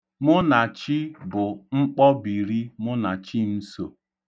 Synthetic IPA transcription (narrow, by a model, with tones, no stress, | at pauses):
mʊ˦na˨t͡ʃi˦bʊ˨ŋ͡m̩˦k͡pɔ˦bi˨ɾi˦mʊ˦na˨t͡ʃi˦m̩˦so˨